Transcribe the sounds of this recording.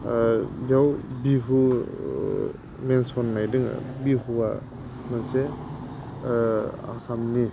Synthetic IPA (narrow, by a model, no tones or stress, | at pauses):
jawbiɦu | mensɔnmajdɯŋ̰biɦuwa | manse | a̰samni